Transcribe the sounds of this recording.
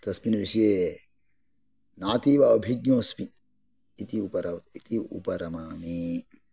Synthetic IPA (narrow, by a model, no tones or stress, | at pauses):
t̪ɐspinɐʋiʃijeː | naːt̪iːʋaɐbʱiɡjõːspi | it̪iupɐɾɐit̪iṵpɐɾɐmaːmi